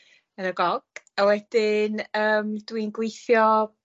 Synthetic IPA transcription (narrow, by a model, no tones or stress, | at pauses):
ənəɡɔɡ̥awɛd̥ɪnəːmdwinɡwejθjɔ